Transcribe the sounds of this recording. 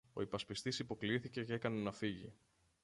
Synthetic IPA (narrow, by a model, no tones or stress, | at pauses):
o̞̰ipɐspist̪isipo̞kliiθice̞ceekɐne̞nɐfiʝḭ